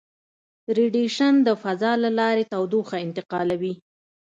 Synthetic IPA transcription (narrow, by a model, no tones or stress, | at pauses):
ɾiɖiʃand̪əfazɑlalɑɾet̪awd̪uxaɪnt̪ɪqɑlawi